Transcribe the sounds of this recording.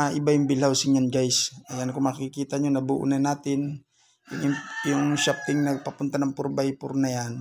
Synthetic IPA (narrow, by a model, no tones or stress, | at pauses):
ʔɪbajʊŋbɪlawsɪɲanɡajsʔɐjankomakkɪkiːt̪ɐɲonɐbuːʔʊ̰nanaːt̪ɪn | jʊŋɪjʊŋʃap̚t̪ɪŋnɐɡ̚pɐpʊnt̪anɐŋpʊɾbajpʊɾnɐjan